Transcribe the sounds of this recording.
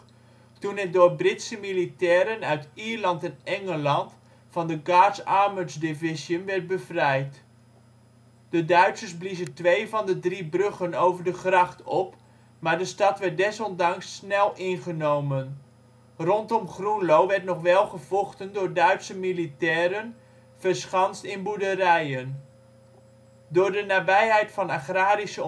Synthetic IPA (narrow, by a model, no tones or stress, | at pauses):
tunɛt̚dʊːɹbrɪtsəmilitɛːɾənœɥtiːɹlɑntɛnɛŋəlɑnt | fɑndəɡaːtsaɹməzdɪvɪzjənʋɛɹt̚bəvrɛjt | d̥ədœɥtsərsblizəntʋejvɑndədribrøχənowvəɹdəχrɑχtɔp | maːɹdəstɑtʋɛɹt̚dɛsɔndɑŋsːnɛlˠɪnχənowmən | rɔntɔmχrunlowʋɛɹtnɔχʋɛlˠχəv̥ɔχtəndʊːɹdœɥtsəmilitɛːɾən | v̥əɹsχɑnstɪnbuɹdərɛjən | dʊːɹdənaːbɛjɦɛjtfɑnaχraːɾisə